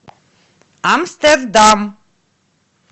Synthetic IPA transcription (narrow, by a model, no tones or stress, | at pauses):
amst̪ɛrd̪am